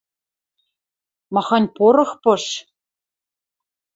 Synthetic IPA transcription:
mɑxɑnʲpoɾɤ̆xpɤ̆ʃ

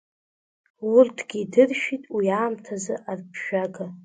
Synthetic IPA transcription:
wʊrtʰɡʲidɨrʃᶣitʼwiaːmtʰazɨʔarpʰʃᶣaɡa

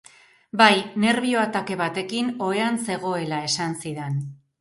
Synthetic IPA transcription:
bajne̞ɾβio̞at̪ake̞β̞at̪e̞kino̞e̞anse̞ɣo̞e̞lae̞sansiðe̞n

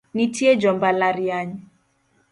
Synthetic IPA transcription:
nitiɛd͡ʒɔmbalaɾiaɲi

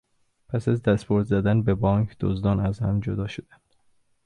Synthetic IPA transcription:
pʰæsæzd̪æst̪bʰoɾd̪zæd̪ænbebɒːŋkʰd̪̥o̰zd̪ɒːnæzhæmd͡ʒod̪ɒːʃod̪̥ænd̪̥

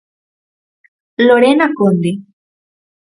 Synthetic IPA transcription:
loɾenakond̪e

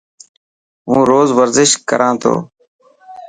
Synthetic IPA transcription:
ɦũːɾoːzʋəɾzɪʃkəɾʔãːt̪ʰo̰ː

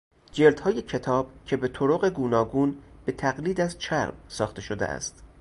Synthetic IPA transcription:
d͡ʒe̞ɾd̪hɒːje̞cʰe̞t̪ʰɒːb̥̚cʰe̞be̞t̪ʰoɾoɣe̞ɡuːnɒːɡuːnb̥e̞t̪ʰæɣliːd̪æzt͡ʃʰæɾmsɒːxt̪e̞ʃo̞d̪ḛʔæ̰st̪

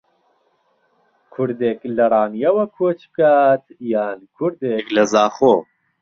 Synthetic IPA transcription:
kʰʊɾd̪eːklɐrˤɑːnijɐwɐkʰot͡ʃkaːt̪jaːnkʰʊɾd̪eklɐzaːχoː

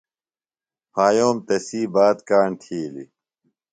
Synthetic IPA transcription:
pʰaːjoːmt̪ɐsiːbaːt̪kaːɳt̪ʰiːlḭ

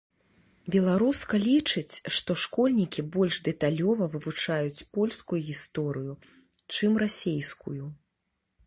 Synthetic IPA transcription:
bʲɛlˠaɾuskɐlʲit͡ʂɨt͡sʲʂt̪ɔʂkɔlʲnʲikʲibɔlʲʐd̪ɛt̪alʲɔvɐvɨvut͡ʂajut͡sʲpɔlʲskujuɣʲist̪ɔɾɨju | t͡ʂɨmrasʲejskuju

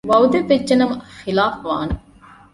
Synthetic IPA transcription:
ʋɐwd̪epːed͡ʒːɐnɐmxilaːfʋaːn

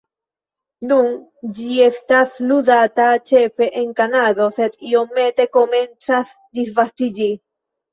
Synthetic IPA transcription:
nun | d͡ʒiest̪asluðat̪at͡ʃefeʔeŋkanaðoset̪iomet̪ekoment͡sas | d̪isvast̪id͡ʒi

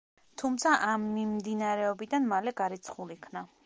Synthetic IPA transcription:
t̪ʰumt̪sʰaʔamːimd̪inaɾɛɔbid̪anmalɛɡaɾit̪sʰχulikʰna

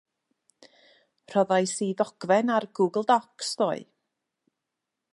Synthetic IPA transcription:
r̥ɔðajsiðɔɡ̥vɛnarɡuːɡəl̩ˠdɔksðoːɨ

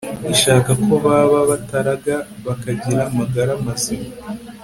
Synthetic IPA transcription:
iʃaːkakoβaβaβataɾaɡaβakaɟiɾamaɡaɾamazima

